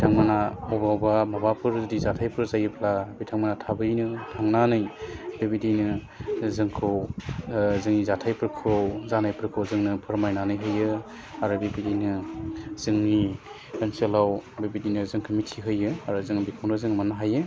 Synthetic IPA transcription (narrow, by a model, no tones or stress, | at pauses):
bitʰaŋmanaɔbaɔbamabapʰɯɾdizatʰajpʰɯɾzajɯpʰlabitʰaŋmanatʰabɯjnɯtʰaŋnanɯjbebidinɯ | zɯŋkʰɯw | zɯŋnizatʰajpʰɯɾkʰowzanajpʰɯɾkʰɯwzɯŋnɯpʰɯɾmajnanɯjɦɯjɯ | aɾubibidinɯzɯŋni | kanselawbebidinɯzɯŋkʰɯmitʰiɦɯjɯaɾuzɯŋbikʰawnɯzɯŋmanaɦajɯ